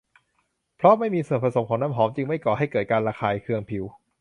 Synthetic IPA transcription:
pʰɾɔ˦˥ma˥˩jmiː˧su˨˩ənpʰɾa˧so˩˦mkʰɔː˩˦ŋnaː˥˨mɦɔː˩˦mt͡ɕɯ˧ŋma˥˩jkɔː˨˩ha˥˩jkɤː˨˩t̪̚kaː˧nɾaː˧xʰaː˧jkʰɯ˧əŋpʰi˩˦w

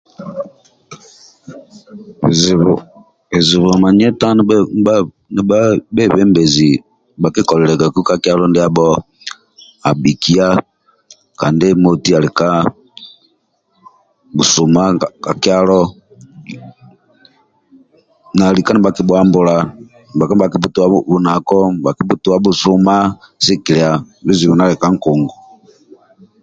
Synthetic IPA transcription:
e˨zi˨βɔ˨ma˨ɲɛ˦ta˦ | nɛ˨a˦bɛ˦˨βɛ˦mbɛ˨zi˨ | ba˨ki˦kɔ˨lɛ˨lɛ˨ka˨ku˦ka˦ki˦a˦lɔ˦ndi˦a˦bɔ˦ | a˨bi˨ki˦a˦ | ka˨nde˦mo˦ti˦a˨li˨ka˦ | bu˨su˨ma˦˨ka˨ki˦a˦lɔ˦ | na˨li˨ka˦ni˨ba˨ki˦bwa˦mbu˨la˨ | n˨ba˨ka˦ba˨ki˦bu˦tu˨wa˦bu˦na˨kɔ˦˨ba˨ki˨˦bu˦tu˨wa˦bu˨su˦ma˦si˦ki˨lɛ˨a˨bi˦zi˨βu˨na˦lɛ˨ka˦ŋ̩˨ku˨ŋɡu˨

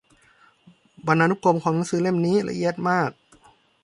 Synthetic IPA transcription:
ba˧nʔaː˧nu˦˥˩ko˧mkʰɔː˩˦na˨˦ŋsɯː˨˦le˥˩mniː˦˥la̰˧ʔi˧˩ət̪̚maː˥˩k̚

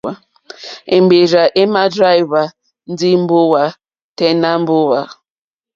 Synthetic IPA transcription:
a˦ | e˨ŋ͡m̩˨ɡ͡be˨ɾa˨ʔe˦ma˦dɾa˦jva˨ | n̩˦dɪ˦m̩˦bʊ˦wa˦ | te˦na˦m̩˦bʊ˦wa˨

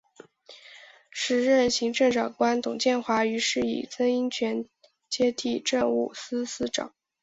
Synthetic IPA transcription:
ʂɻ̩˧˩ɻə˥˩nɕi˧˥ŋʈ͡ʂə˥˧ŋʈ͡ʂɑ˨˩ŋkwa˥nt̪ʊ˨˩ŋt͡ɕjɛ˥˧nxwa˧˥y˧˥ʂɻ̩˥˩ḭ˨˩t͡sə˥ŋi˥ŋt͡ɕʰɥɛ˧˥n | t͡ɕjɛ˥t̪ʰi˥˩ʈ͡ʂə˥˧ŋṵ˥˩sɹ̩˥sɹ̩˥ʈ͡ʂɑ̰˨˩˦ŋ

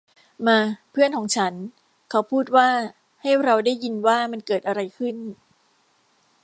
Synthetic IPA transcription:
maː˧pʰɯ˥˩ənkʰɔː˩˦ŋt͡ɕʰa˦˥n | kʰa˦˥wpʰuː˥˩t̪̚waː˥˩ | ha˥˩jɾa˧wdaː˥˩jːi˧nwaː˥˩ma˧nkɤː˨˩t̪̚ʔa˧ɾa˧jkʰɯ˥˩n

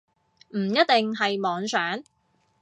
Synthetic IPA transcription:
m̩˨˩jɐ˥t̪̚t̪ɪ˨ŋɦɐ˨jmɔː˨˧ŋsœː˨˥ŋ

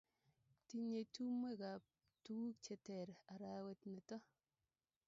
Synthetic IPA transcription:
ti˦ɲe˨tu˦mwe˦˨ka˨p̚ | tu˦wu˦k̚t͡ʃe˦tɛ˨ɾa˨ɾa˨˦we˦˨tnɪ˨tɔ˦

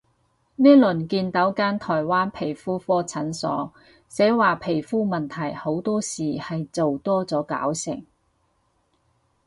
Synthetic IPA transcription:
nɛː˥lɵ˨˩nkiː˧nt̪ɐ˨˥wkaː˥nt̪ʰɔː˨˩jwaː˥npʰe˨˩jfuː˥fɔː˥t͡sʰɐ˨˥nsɔ̰ː˨˥ | sɛː˨˥waː˨pʰe˨˩jfuː˥mɐ˨nt̪ʰɐ˨˩jho˨˥wt̪ɔː˥siː˨hɐ˨jt͡so˨wt̪ɔː˥t͡sɔː˨˥ka̰ː˨˥wsɪ˨˩ŋ

